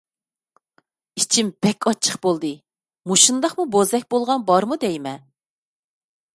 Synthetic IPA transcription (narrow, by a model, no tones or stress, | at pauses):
it͡ʃʰimb̥ɛkʲʰɑt͡ʃʰːə̥χbolˠd̪ɨ | muʃund̪ɑχmubozd̪ɛk̚ʲbolˠʁɑnbɑɾmud̪ɛjmɛ